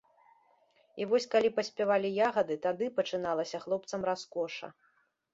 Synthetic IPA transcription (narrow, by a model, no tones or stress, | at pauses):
ivɔsʲkalʲipɐsʲpʲavalʲijaɣɐd̪ɨt̪ad̪ɨpɐt͡ʂɨnalˠɐsʲɐxlˠɔp̚t̪sɐmraskɔʂɐ̰